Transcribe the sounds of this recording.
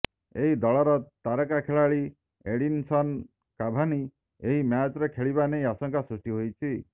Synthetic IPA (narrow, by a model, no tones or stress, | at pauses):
eɦid̪ɔɭɔɾɔt̪aɾɔkakʰeɭaɭi | eɽinsɔn | kabʱani | eɦimjat͡ʃɔɾekʰeɭiβanejasɔŋkasɾusʈiɦojt͡ʃʰi